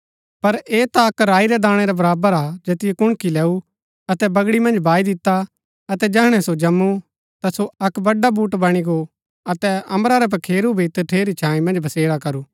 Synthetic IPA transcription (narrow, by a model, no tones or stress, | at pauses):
pɐɾeːt̪aɐkɾaːiɾɛd̪aːɽ̃ɛɾɛbɐɾaːbəɾaːd͡ʒɐt̪ɪjɛkʊɽ̃kilɛːu | ɐt̪ɛbɐɡɽimɐ̃nd͡ʒbaːid̪ɪt̪ːa | ɐt̪ɛd͡ʒɛɦɽ̃ɛsod͡ʒɐmːu | t̪asoɐkbɐɖabuːʈbɐɽ̃iɡo | ɐt̪ɛɐ̃mbɾaɾɛp̬ɐkʰeːɾubʱit̪ʈʰeːɾit͡ʃʰãːĩmɐ̃nd͡ʒbʱɐseːɽakɐɾuː